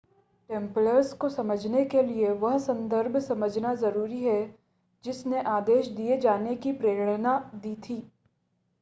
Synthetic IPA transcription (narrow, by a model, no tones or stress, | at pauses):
ʈẽːmpləɾskosɐməd͡ʒʱnekelieʋɐɦsɐ̃nd̪əɾbʱsɐməd͡ʒʱnazɐɾuːɾiɦɛ | d͡ʒɪsneʔaːd̪eːʃd̪ied͡ʒaːnekipɾeːɾɽ̃ənad̪iːt̪ʰiː